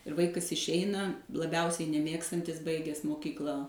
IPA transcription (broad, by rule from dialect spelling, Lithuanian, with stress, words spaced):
ɪr ˈʋɐɪkɐs ɪʃʲˈɛɪnɐ lˠɐˈbʲɛʊsʲɛɪ nʲɛˈmʲeːkstɐnʲtʲɪs ˈbɐɪɡʲɛs moːˈkʲiːklˠɐ